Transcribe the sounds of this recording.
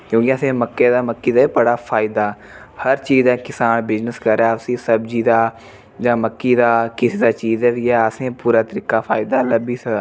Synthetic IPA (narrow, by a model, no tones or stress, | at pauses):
kjõːkɪəsẽːməkːeːd̪aːməkːiːd̪aːipəɽaːfʰaːɪd̪aː | həɾt͡ʃiːzd̪aːkɪsaːnbɪznəskəɾjaːsĩːsəbziːd̪aː | d͡ʒãːməkːiːd̪aːkɪsiːd̪aːt͡ʃiːzɛːjaːəsẽːpuːɾaːt̪əɾiːkaːfʰaːɪd̪aːləbiːsə